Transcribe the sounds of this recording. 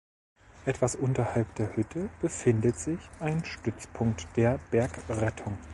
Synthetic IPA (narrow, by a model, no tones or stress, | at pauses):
ʔɛtv̥asʔʊntɐhalpd̥eːɐhʏtʰəb̥əfɪndətz̥ɪçʔaɪnʃtʏt͡spʰʊŋk̚td̥eːɐb̥ɛɐkʁɛtʰʊŋ